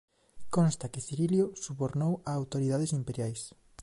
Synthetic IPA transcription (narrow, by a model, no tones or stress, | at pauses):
kõnst̪akɪθiɾiljosuβoɾnowaːwt̪oɾiðaðesimpeɾjajs